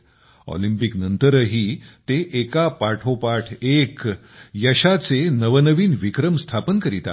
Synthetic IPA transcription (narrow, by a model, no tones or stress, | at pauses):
ɔ̰limpiknənt̪əɾəɦiːt̪eʔekapaʈʰopaʈʰek | jəɕat͡senəʋənəʋiːnʋikɾəmst̪ʰapənkəɾit̪a̰